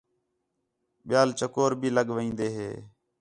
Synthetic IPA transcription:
ɓɪjaːlt͡ʃəkoːɾbʱiːləɠʋĩːnd̪eːɦḛː

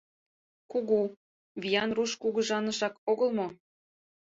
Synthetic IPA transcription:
kuɣu | βʲijɑnruʃkuɣə̆ʒɑnəʃɑkoɣəlˠmo

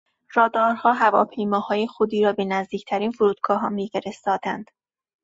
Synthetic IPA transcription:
ɾɒːd̪ɒːɾhɒːɦævɒːpʰe̞jmɒːhɒːjexod̪iːɾɒːbe̞næzd̪iːcʰt̪ʰæɾiːnfuɾuːd̪̥ɡɒːɦɒːmiːfeɾest̪ɒːd̪ænd̪̥

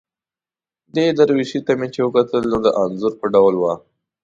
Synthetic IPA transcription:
d̪ed̪aɾwiʃit̪amet͡ʃewəkat̪əlnod̪əʔanzʊɾpəɖawlwa

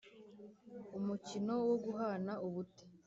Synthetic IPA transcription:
umucino̞woɡuɦanauβute̥

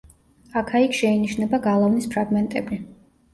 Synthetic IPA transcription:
akʰaikʰʃɛiniʃnɛbaɡalˠɔvnispʰɾaɡmɛnt̪ʼɛbi

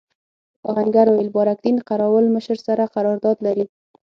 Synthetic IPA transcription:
ɑ̰ɣaŋɡaɾoɪlbɑɾak̚d̪inqaɾɑwəlməʃəɾsaɾaqaɾɑɾd̪ɑd̪laɾi

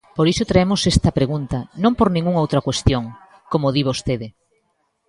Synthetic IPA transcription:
poɾisʊt̪ɾaemʊsest̪ɐpɾeɣunt̪ɐnõmpoɾnĩŋɡuŋowt̪ɾɐkwest̪joŋ | komoðiβost̪eðɪ

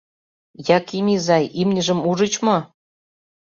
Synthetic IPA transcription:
jɑkimʲizɑjimnʲə̆ʒə̆muʒə̆t͡ɕmo

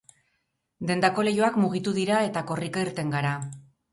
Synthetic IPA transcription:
d̪e̞nd̪ako̞le̞joakmuɣ̞it̪uðiɾae̞t̪ako̞rikaiɾt̪e̞ŋɡaɾa

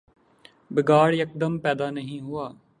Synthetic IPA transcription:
bɪɡaːɽjək̚d̪əmpɛːd̪aːnəɦĩːɦʊaː

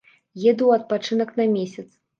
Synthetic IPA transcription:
jɛd̪uwɐt̪̚pat͡ʂɨnɐknɐmʲesʲɐt̪s

